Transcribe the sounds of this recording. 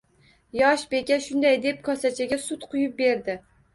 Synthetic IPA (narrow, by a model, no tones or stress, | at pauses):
jɒʃbe̞kʲaʃʊnd̪ajd̪e̞p̚kʰɒsat͡ʃʰaɡʲasʊt̪qʰʊjʊp̚be̞ɾd̪ɪ